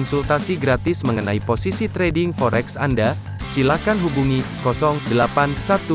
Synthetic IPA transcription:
nsult̪asiɡɾat̪ɪsməŋənaiposisit̪ɾedɪŋfɔɾɛksanda | silahkanɦubuŋikɔsɔŋdəlapansat̪u

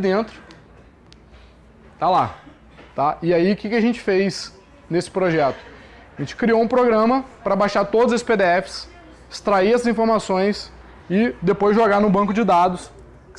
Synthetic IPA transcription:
d̪ẽt̪ɾʊ | t̪ala | t̪aɪaiʊkɪkʲɪɐʒẽnt͡ʃɪ̥fejs | nesɪ̥pɾoʒɛt̪ʊ̥ | ʒẽnt͡ʃɪ̥kɾioũpɾoɡɾɐ̃mɐpɾɐbaʃaɾt̪od̪ʊzesɪsped̪eɛfɪ̥s | st̪ɾaiɛsɐzĩfoɾmasõj̃s | ɪd̪epojzʒoɡaɾnʊbɐ̃kʊd͡ʒɪd̪ad̪ʊs

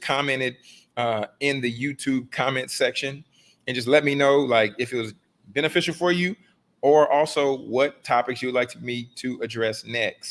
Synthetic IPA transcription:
kʰɑmɛ̃ɾ̃ɨɾ | ʌɪ̃nðɨjʉtʰʉb̚kʰɑmɛ̃ntsɛkʃɨ̃n | ɨ̃nd͡ʒʌs̬tˡlɛt̚minoʊlaɪkɨfɨt̚wʌz | bɛñɨfɪʃl̩ˠfə˞jɨ | ə˞ʔɔlˠsoʊwʌtʰɑpɨksjɨwdˡlaɪk̚tʰmitʰɨɨdɹɛsnɛks

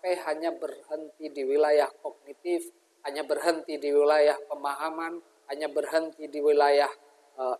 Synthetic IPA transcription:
pajɦaɲabərhənt̪idiwilajahkɔɡ̚nit̪if | haɲabərɦənt̪idiwilajahpəmaɦaman | haɲabərɦənt̪idiwilajah | ə

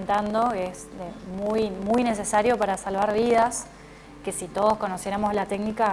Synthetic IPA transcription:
nt̪and̪o̞es | emujmujne̞s̬e̞saɾjo̞paɾasalβaɾβ̞iðas | ke̞sit̪o̞ð̞o̞sko̞nosjeɾamo̞zlat̪eknika

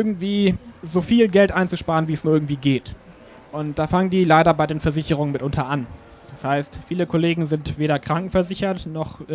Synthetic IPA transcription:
ʔʔɪɐɡŋ̩tv̥iːzoːfiːlɡɛltʔaɪnt͡suʃpaːʁənviːɛsnuːɐɪɐɡŋ̩tv̥iːɡeːt | ʔʊntd̥aːfaŋəndiːlaɪɾɐbaɪdeːnfɛɐzɪçəʁ̞ʊŋənmɪtʔʊntʰɐʔan | d̥ashaɪstfiːləkʰoleːɡŋ̩zɪntv̥eːɾɐkʁ̥aŋkŋ̩fɛɐzɪçɐtnɔχ

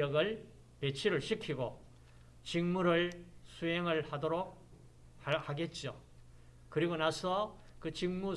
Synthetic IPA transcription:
ʌɡɯɭ | pe̞t͡ɕʰiɾɯɭɕʰikʰiɡo | t͡ɕiŋmuɾɯɭsʰueŋɯɭhadoɾok̚ | hahaɡe̞t̚t͡ɕ͈o̰ | kɯɾiɡonasʰʌ | kɯt͡ɕiŋmu

